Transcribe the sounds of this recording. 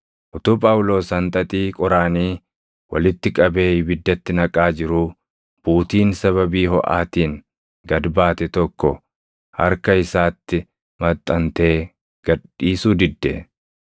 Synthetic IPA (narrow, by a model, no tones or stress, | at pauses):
ʔʊt̪uːpʼɐwʊlo̞ːsɐnt̪ʼɐt̪ʼiːkʼɔɾaːniː | wɐ̰lɪt̪ːɪkʼɐbe̞ːhɪbɪd̪ːɐt̪ːɪnɐkʼaːd͡ʒɪɾʊ | b̥uːt̪iːnsɐβɐbiːɦɔ̰ʔa̰ːt̪iːŋ | ɡɐd̪baːt̪ɛt̪ɔkːɔ | hɐ̰ɾkɐɪsaːt̪ːɪ | mɐt̪ʼːɐnt̪e̞ː | ɡ̥ɐɗiːsuːd̪ɪd̪ːɛ̰